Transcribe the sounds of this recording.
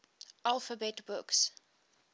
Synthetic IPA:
ʔalˠfəbɛtbʊks

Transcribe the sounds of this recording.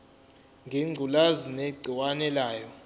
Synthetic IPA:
ŋɡʱiŋ͡ǀʱulazineɡ͡ǀʱiwanɛlaːjɔ

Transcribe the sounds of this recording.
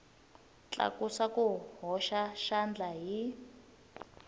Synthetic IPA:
t͡ɬʼa̰kusakuɦɔʃaʃand͡ɮaɦi

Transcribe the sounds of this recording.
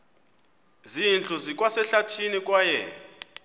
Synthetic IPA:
zint͡ɬʼuzik̬ʼwasɛɬatʰinik̬ʼwajɛ

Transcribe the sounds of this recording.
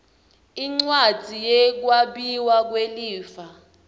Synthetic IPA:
iŋ͡ǀwad͡z̥ʱijɛk̬waɓiwak̬weliːfa

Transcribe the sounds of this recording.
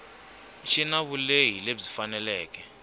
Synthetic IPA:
ʃinaβuleɦileb͡ʐifanɛlɛːk̬ɛ

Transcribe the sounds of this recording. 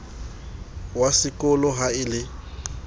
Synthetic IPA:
wasɪkʼɔlɔɦaɪlɪ

